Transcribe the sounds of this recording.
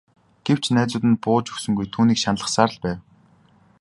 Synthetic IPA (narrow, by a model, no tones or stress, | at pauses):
ɡ̥ew̥t͡ɕʰnæːt͡sʊːt̪ɘ̆npʊːt͡ɕɵ̥wsɵ̆ŋɡujt̪ʰuːniːkʃanɮə̆χsaːɾ̆ɮpæːw